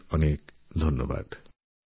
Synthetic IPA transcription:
ʌnek | d̪ʱɔnjɔba̰d̪̥

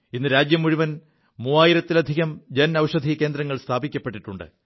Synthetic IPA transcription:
inːɨɾaːd͡ʑjɐmːuɻiʋɐn | muːaːjiɾɐt̪ːilɐd̪ʱiɣɐmd͡ʑɐnɐwʂɐd̪ʱike̞ːnd̪ɾɐŋːɐɭst̪ʰaːbikʲːɐpːe̞ʈːiʈːuɳɖɨ̰

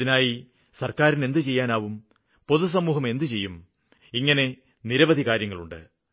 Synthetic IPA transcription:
inaːji | sɐrkaːɾine̞nd̪ɨt͡ɕe̞jːaːnaːʋum | po̞ðus̬ɐmːuːɦɐme̞nd̪ɨt͡ɕe̞jːum | iŋːɐne̞ | niɾɐʋɐd̪ʱikaːɾjɐŋːɐɭuɳɖɨ̰

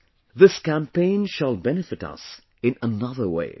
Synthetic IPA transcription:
ðɪskæ̃mpẽɪ̃nʃəlˠbɛnɨfɨɾʌ̰s | ɨ̃nənʌðə˞wḛɪ

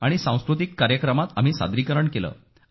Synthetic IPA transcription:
aɽ̃isãw̃skɾut̪̬ikːaɾjəkɾəmat̪am̤iːsa̰d̪ɾikəɾəɳkelə̰ː

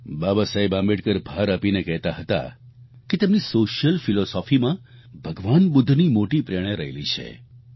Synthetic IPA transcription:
babasajbãmbeʈkəɾbʱaɾapinekɛɦt̪aɦət̪a̰ | ket̪emnisoʃjəlfilɔsɔfimã | bʱəɡʋanbʊd̪ʱːnimoʈipɾeɽ̃eɾəɦḛlḭt͡ʃʰḛ

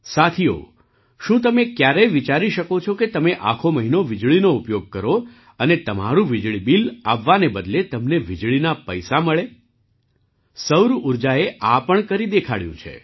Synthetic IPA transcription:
sat̪ʰio̰ | ʃũt̪̬əmekjaɾeʋit͡ʃaɾiʃəkot͡ʃʰoket̪əmeʔa̰kʰoməɦinoʋɪd͡ʒɭinoupjoɡ̚kəɾo | ənet̪əma̰ɾũʋid͡ʒɭibila̰ʋːanebəd̪let̪əmneʋid͡ʒɭinapəjsaməɭe | səwɾuɾd͡ʒaeʔapəɳkəɾid̪ekʰaɭjṵ̃t͡ʃʰḛ

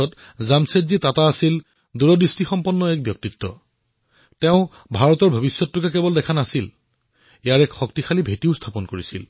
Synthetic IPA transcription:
ɔtzamsetzitataːsil | duɹɔdistixɔmpɔnːɔɛk̚bjɔk̚titːɔ̰ | tɛʊ̃ | bʱaɹɔtɔɹbʱobisjɔtːʊkakɛbɔldɛkʰanasil | ejaɹɛkxɔk̚tixalibʱetiʊstʰapɔnkoɹisḭl

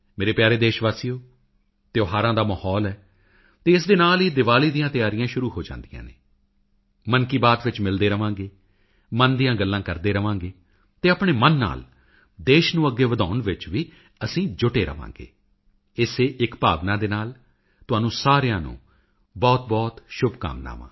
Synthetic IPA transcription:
meːɾeːpjaːɾeːd̪eːʃʋaːsiːjoː | t̪eːoːɦaːɾãːd̪aːməhɔːlɛː | t̪eːɪs̬d̪eːnaːliːd̪ɪʋaːliːd̪ijãːt̪ɪjaːɾɪjãːʃʊɾuːɦoːd͡ʒã̰ːnd̪ijã̰ːnḛː | mənkiːbaːt̪ʋɪt͡ʃmɪld̪eːɾəʋãːŋɡeː | mənd̪ijãːɡəlːãːkəɾd̪eːɾəʋãːŋɡeː | t̪eːapɳeːmənːa̰ːl | d̪eːʃnũːəɡːeːʋəd̪aːʊnʋɪt͡ʃʋiː | əsĩːd͡ʒʊʈeːɾə̰ʋã̰ːŋɡḛː | ɪseːʔɪkpaːʋnãːd̪eːnaːl | t̪ʊɦãːnũːsaːɾejãːnṵ̃ː | bɔːt̪̚bɔːt̪ʃʊbka̰ːmna̰ːʋã̰ː

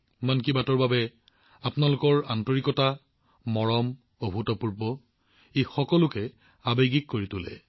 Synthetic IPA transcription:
mank̬ibatɔɹbabɛ | apnalʊkɔɹantoɹikɔta | mɔɹɔm | obʱutɔpuɹbɔ | ejxɔkɔlʊkɛ | abeɡikːoɹitʊlɛ̰

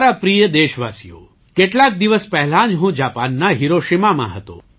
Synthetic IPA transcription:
aɾapɾijəd̪eʃʋasijo̰ | keʈlak̚d̪iʋəspɛɦɛlãd͡ʒɦũd͡ʒapanːaɦiɾoʃimamã̰ɦət̪õ̰

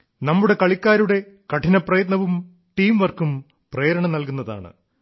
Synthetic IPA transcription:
nɐmːuɽe̞kɐɭikʲːaːɾuɽe̞ | kɐʈʰinɐprɐjɐt̪nɐʋum | ʈiːmʋɐrkum | preːɾɐɳɐmnɐlkunːɐða̰ːɳɨ̰

